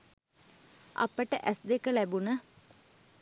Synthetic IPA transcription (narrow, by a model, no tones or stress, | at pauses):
ʔa̰pəʈəʔæsd̪ekəlæbunə